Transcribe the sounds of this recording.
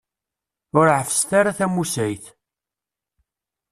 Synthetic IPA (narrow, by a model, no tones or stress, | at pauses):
ʊɾʕəfst̪aɾaθæmusæjθ